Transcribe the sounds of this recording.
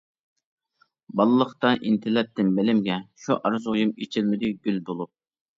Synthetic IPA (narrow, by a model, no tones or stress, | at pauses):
bɑlˠːəχt̪ɑʔint̪ʰɪlːɛp̚t̪ɪnbɪlɪmɡʲɛʃuʔɑɾɨzʁʊjumet͡ʃʰɪlmɪd̪ɪɡʲylbolˠup̚